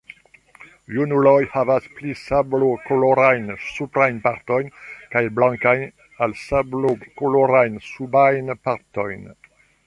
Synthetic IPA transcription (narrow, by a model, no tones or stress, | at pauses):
junulɔjhavasplisablokoloɾajnsupɾajnpaʁt̪ɔjnkajlblãŋkaj | alsablokoloɾajnsubajnpaʁt̪ɔjn